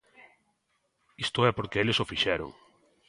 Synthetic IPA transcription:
ist̪ʊɛpoɾkeelesofiʃɛɾʊ̰ŋ

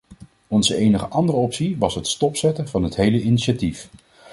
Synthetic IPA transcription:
ɔnzəejnəχəʔɑndərəɔpsiʋɑsɦətstɔpsɛtənvɑnɦətɦejləiniʃatif

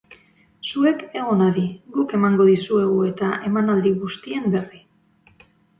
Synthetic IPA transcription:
sue̞ke̞ɣ̞o̞naðiɡuke̞maŋɡo̞ðisue̞ɣ̞ue̞t̪aʔe̞manald̪iɣust̪ie̞mbe̞ri

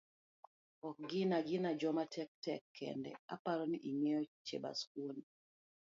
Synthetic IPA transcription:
ɔk̚ɡɪnaɡɪnad͡ʒɔmatʰɛk̚tɛkʰːɛ̰ndɛ̰a̰paɾɔniʔiŋejɔt͡ʃḛba̰skwoni

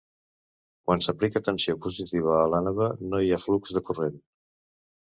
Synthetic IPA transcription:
kwansəplikət̪ənsiopuzit̪iβ̞əːlanəβənoiaflukzðəkuren

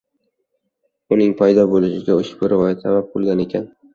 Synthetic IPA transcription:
ʊnɪŋpʰajd̪ɒbolɪʃɪɡʲaʊʃbɪɾvɒjasabap̚qʰʊlˠɡʲane̞kʲʰan

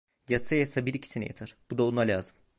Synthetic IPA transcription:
jat̪sajasabiɾicʰi̥sinija̰t̪ʰaɾ̥b̥ud̪aonˠalʲaːzɯm

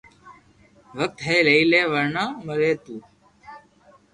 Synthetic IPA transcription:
ʋək̚t̪ɦeːləiːleːʋəɾɳãːməɾeːt̪uː

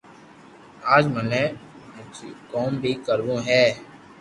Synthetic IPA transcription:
aːd͡ʒməne | t͡ʃkɔːmbʱikəɾʋũɦɛː

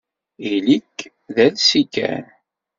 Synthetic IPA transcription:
ilikː | ðælsikæ̰n

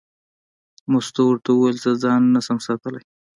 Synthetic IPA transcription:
mʊst̪owɾt̪awelt͡sazɑnːasamsɑt̪əlaj

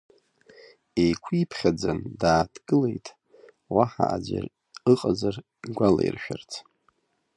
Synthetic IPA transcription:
ejkʷʰipʰχʲad͡zandaːtʰɡ̥ɨle̞jtʼ | waħa̰ʔad͡ʒʷa̰r | ɨqʼazar | ɡʷala̰irʃᶣart͡sʰ

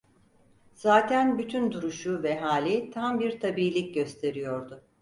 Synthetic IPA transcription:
z̥aːt̪ʰænbyt̪ʰynd̪uɾuʃuvɛɦaːlʲit̪ʰambiɾt̪ʰabiːlʲic̚ɟø̞st̪ʰe̞ɾijo̞ɾd̪ʊ

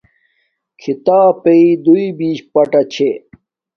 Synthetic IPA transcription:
kʰit̪aːpeid̪uibiːɕpɐʈɐt͡ɕʰe

